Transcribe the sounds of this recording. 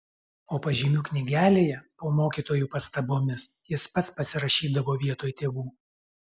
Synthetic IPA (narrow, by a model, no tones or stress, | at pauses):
oːpɐʒʲiːmʲuːknʲɪɡʲæːlʲeːjɛpoːmoːkʲiːt̪oːjuːpɐst̪ɐboːmʲɪsjɪspɐt̪spɐsʲɪɾɐʃʲiːd̪ɐʋoːʋʲiɛt̪oːjt̪ʲeːʋuː